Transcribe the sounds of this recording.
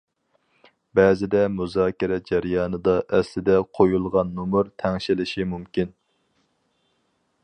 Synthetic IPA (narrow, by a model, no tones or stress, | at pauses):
bɛːzɪd̪ɛmuzɑːkʲɪɾɛd͡ʒæɾjɑːnɨd̪ɑʔɛslɪd̪ɛqʰojulˠʁɑnːumuɾt̪ʰɛŋʃilɪʃimumkʲin